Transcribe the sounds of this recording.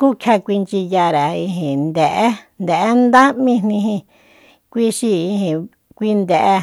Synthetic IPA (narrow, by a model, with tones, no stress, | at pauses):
ku˦kʰa˧kʷi˧nt͡ʃi˧ja˧ɾa˨i˧ɦĩ˨nd̪e˨ʔe˦nd̪e˨ʔe˦nd̪a˦mĩ˦˧n̥nĩ˧ɦĩ˧ | kʷi˧ʃi˧i˧hĩ˨ | kʷi˧nd̪e˨ʔe˧